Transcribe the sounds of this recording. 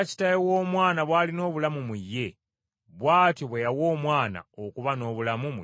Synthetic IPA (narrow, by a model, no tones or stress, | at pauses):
ci̥tajewoːmwaːnaβwaːlino̞ːβulamumujːe̞ | βwaːtoβwejawo̞ːmwaːna̰okuβano̞ːβulamum